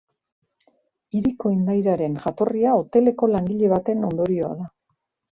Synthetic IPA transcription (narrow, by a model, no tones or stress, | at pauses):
iɾiko̞ind̪ajɾaɾe̞nʝat̪o̞riao̞t̪e̞le̞ko̞laŋɡiʎe̞βat̪e̞no̞nd̪o̞ɾio̞a̰ða